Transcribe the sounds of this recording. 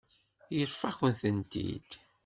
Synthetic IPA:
jəɾˤfɑçənθənt̪ḭd̪̥

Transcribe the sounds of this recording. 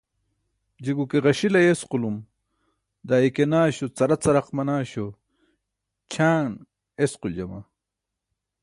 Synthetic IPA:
d͡ʑiɡukeʁɐɕilɐjesqulum | d̪aːikenaːɕot͡sɐɾɐt͡sɐɾɐqmɐnaːɕo | t͡ɕʰaːn | esquld͡ʑɐma

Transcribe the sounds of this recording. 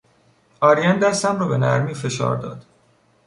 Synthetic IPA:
ɒːɾijænd̪æst̪æmrɒːbe̞næ̰ɾmiːfe̞ʃɒ̰ːɾd̪ɒ̰ːd̪̥

